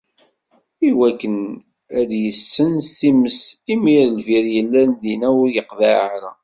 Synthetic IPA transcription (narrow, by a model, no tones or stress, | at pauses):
iwækːən | æd̪jəsːənst̪iməsimiɾlviɾjəlːænðinæwʊɾjəqðæʕaɾæ̰